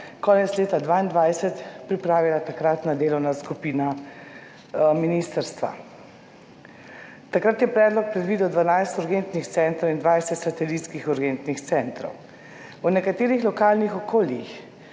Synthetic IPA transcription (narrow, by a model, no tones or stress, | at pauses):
kɔːnɛt̪sleːt̪ad̪ʋaːind̪ʋajsɛt̪pɾipɾaːʋilat̪akɾat̪nad̪eːlɔwnaskupiːna | miniːst̪əɾst̪ʋa̰ | t̪akɾat̪jɛpɾɛːd̪lɔk̚pɾɛd̪ʋiːd̪ɔd̪ʋanajst̪uɾɡent̪nixt̪sɛnt̪ɾɔwind̪ʋajsɛt̪sat̪ɛliːt̪skixuɾɡɛnt̪nixt̪sɛnt̪ɾɔ̰w | unɛkat̪eːɾixlɔkaːlnixɔkoːljix